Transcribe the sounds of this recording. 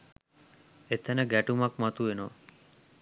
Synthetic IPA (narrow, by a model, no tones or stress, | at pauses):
et̪ʰɛneɡɛʈumakmat̪uenɔ